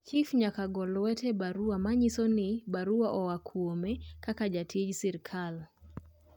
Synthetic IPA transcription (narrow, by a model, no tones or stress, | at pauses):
t͡ʃifɲakaɡɔlɔwɛtɛbaɾuamaɲisɔnibaɾuaʔɔwakʰuɔmɛkakad͡ʒatʰid͡ʒsiɾikʰal